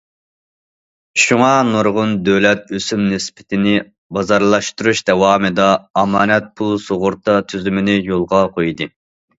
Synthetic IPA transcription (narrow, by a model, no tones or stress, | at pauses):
ʃuŋɑnoɾʁʊnd̪øwlɛt̪̚øsymnɪspʰɪ̥t̪ʰɪnɪ | bɑzɑɾlˠɑʃt̪uɾuʃd̪ɛwɑːmɨd̪ɑːmɑːnɛt̪̚pʰulˠsoʁʊɾt̪ʰɑt̪ʰyzymɪnɪjolˠʁɑqʰojd̪ɨ